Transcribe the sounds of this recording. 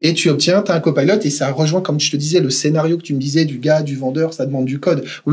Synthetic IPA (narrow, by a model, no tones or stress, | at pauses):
et̪yɔp̚t̪jɛ̃t̪ɛ̃kɔpalɔt̪esaʁəʒwɛ̃kɔmt̪yt̪əd̪izɛləsenaʁjokə̥t̪yməd̪izɛd̪yɡad̪yvɑ̃d̪œʁsad̪əmɑ̃d̪ːykɔd̪